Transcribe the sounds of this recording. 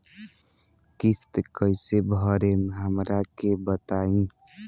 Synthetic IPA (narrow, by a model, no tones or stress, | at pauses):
kist̪kəjsebʱəɾemeɦəmɾakebət̪aĩ